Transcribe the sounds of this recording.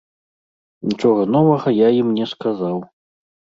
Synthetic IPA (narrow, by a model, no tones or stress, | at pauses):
nʲit͡ʂɔɣɐnɔvɐɣɐjaimnʲɛskazaw